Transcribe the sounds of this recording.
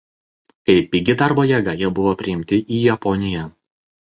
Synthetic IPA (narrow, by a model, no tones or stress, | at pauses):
kɐɪpiɡʲɪd̪ɑɾboːjɛɡɐjiɛbʊʋoːpʲɾʲɪɪmʲt̪ʲɪʔiːjɛpɔnʲɪjɛ